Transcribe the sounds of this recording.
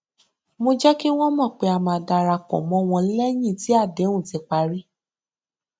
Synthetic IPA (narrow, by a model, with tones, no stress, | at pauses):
mo˧d͡ʒɛ˦ki˦w̃ɔ̃˦mɔ̃˦˨k͡pe˧a˨mã˨˧da˧ɾa˧kɔ̰˨mɔ̃˧˦˧w̃ɔ̃˧˦lɛ˦j̃ĩ˦˨ti˨˦a˦˨dɛ˨˦ũ˦˨tɛ˨˧k͡pa˧ɾi˦